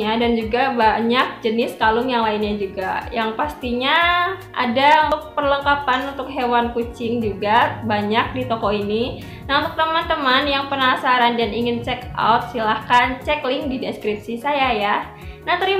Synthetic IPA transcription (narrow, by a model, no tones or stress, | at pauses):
adand͡ʒuɡabaɲak̚d͡ʒənɪskalʊŋjaŋlaɪnɲad͡ʒuɡajaŋpast̪iɲaʔa̰daunt̪ʊk̚pərləŋkapanunt̪ʊkɦewankut͡ʃɪŋd͡ʒuɡabaɲak̚dit̪ɔkɔini | naunt̪ʊk̚t̪əmant̪əmanjaŋpənasaɾandaniŋɪnt͡ʃɛkʔa̰wt̪̚silahkant͡ʃɛklɪŋdideskɾip̚sisajaja | nat̪əɾi